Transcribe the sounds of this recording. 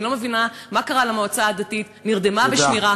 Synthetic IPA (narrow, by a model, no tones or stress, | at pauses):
lo̞me̞vinamakaʁalamoot͡saːd̪atitniʁd̪emaveʃniʁa